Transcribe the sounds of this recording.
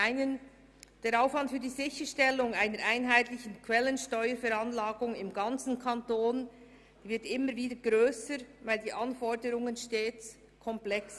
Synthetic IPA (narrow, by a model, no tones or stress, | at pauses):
aɪnən | d̥eːɾaʊfvɑntfyːɐdiːzɪçəʃtɛlːʊŋaɪnəɾʔaɪnɦaɪt̪lɪçən̩kʰvɛlənʃtɔʏəɾfɛɾɑnlaːɡʊŋɪmɡɑnt͡sn̩kʰɑntoːn | d̥iːvɪɐtɪmːəɾviːdəɡɾøːsəɾvaɪldiːʔɑnfɔdəɾʊŋənʃteːt͡s | kʰɔmplɛks